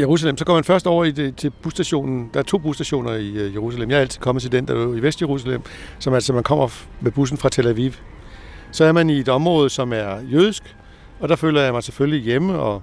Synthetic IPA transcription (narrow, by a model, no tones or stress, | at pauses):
jeʁus̬ælemsɒ̽ɡ̥ɒ̰mænfɶɐsd̥ɒ̰ʊ̰ɐiet͡sʰe̝b̥usd̥æɕo̝̰ːnn̩d̥ɑ̈æɐt͡sʰo̝̰ːb̥usd̥æɕo̝̰ːnɐijeʁusælemjɑhælt͡sʰið̥̩ˠkɒ̽mð̩ˠt͡sʰe̝ld̥end̥ɑuiʋesd̥jeʁus̬ælem̰ | sɒ̽mælsɒmænkʰɒ̽m̰ɐ | meb̥us̬n̩fʁɑ̈t͡sʰelæʋiʋ | sɒ̽æɐmænie̝d̥ɒ̽mʁɔ̽ːð̩ˠsɒ̽mæɐjøðˠisɡ̥ | ɒ̽d̥ɑ̈fø̰ːlɐjɑ̈ɪmɑ̈ɪse̥føllijeməɒ̽